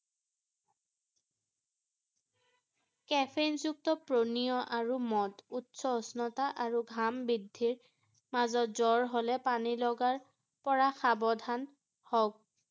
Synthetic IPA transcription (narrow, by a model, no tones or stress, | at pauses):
kɛpʰenzuk̚tɔpɹonijɔʔaɹumɔtutsɔɔsnɔtaʔaɹuɡʱambidʱːiɹ | mazɔtzɔɹɦolɛpanilɔɡaɹ | pɔɹaxabɔdʱan | hɔk̚